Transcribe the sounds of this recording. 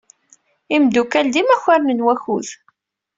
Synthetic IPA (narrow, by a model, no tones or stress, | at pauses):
imd̪ukæld̪imæçaɾnənwæçuð